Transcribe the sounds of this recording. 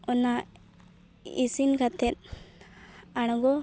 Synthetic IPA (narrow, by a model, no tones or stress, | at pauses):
ɔna | isinkat̪ʰɛt̪̚ | aɽ̃ɡɔ